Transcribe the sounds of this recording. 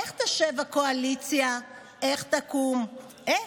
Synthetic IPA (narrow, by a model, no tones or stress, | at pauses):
eχt̪aʃevakoalit͡sja | ʔeχt̪akum